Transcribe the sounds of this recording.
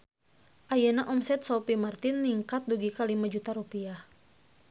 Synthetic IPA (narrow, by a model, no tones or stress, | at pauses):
ʔajanaʔɔmsɛt̪̚sɔpimart̪inːiŋkat̪̚duɡikalimad͡ʒut̪aɾupiah